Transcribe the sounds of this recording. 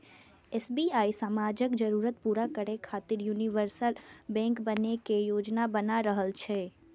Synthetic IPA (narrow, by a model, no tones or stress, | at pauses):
esbiaisamad͡ʒəkd͡ʒəɾuɾət̪puɾakəɾekʰat̪iɾjuniʋəɾsəlbɛ̃ŋkbənekejod͡ʒnabənaɾəɦəlt͡ʃʰe